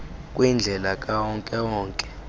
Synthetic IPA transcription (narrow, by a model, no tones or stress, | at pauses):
kʼwind͡ɮʱɛlakʼawɔŋkʼɛwɔːŋkʼɛ̥